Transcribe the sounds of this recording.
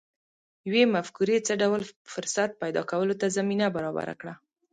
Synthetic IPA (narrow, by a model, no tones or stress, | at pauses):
jwemafkuɾet͡səɖawlfʊɾsat̪̚pajd̪ɑ̰kawəlot̪azaminabaɾɑba̰ɾa̰kɽa